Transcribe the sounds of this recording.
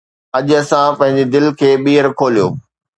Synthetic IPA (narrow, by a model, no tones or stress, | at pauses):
ɐʄʊɐsãpɐ̃ɦɪ̃ɲ̆d͡ʑed̪ɪlkʰeːɓiːəɾkʰoːlijo̰ː